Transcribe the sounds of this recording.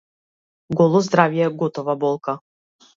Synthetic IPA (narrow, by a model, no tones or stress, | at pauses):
ɡɔlˠɔzd̪ɾavjɛɡɔt̪ɔvabɔlˠka